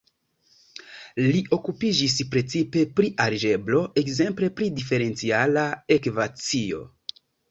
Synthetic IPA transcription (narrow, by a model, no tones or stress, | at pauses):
liʔo̞kupid͡ʒis̬pɾe̞t͡sipe̞pɾiʔaɾd͡ʒe̞blo̞ʔe̞kze̞mple̞pɾidife̞ɾe̞nt͡sialae̞kvat͡sio̞̰